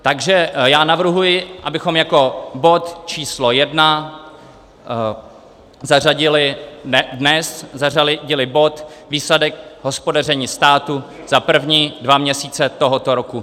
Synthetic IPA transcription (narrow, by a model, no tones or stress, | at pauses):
t̪aɡʒɛjaːnavr̩ɦujɪʔabɪxo̞mjako̞bo̞t̪t͡ʃiːslo̞jɛdna | zaraɟɪlɪdnɛszaralɪɟɪlɪbo̞t̪viːslɛdɛkɦo̞spo̞dar̝ɛɲiːst̪aːt̪u | z̥apr̩vɲidvamɲɛsiːt͡sɛt̪o̞ɦo̞t̪o̞ɾoku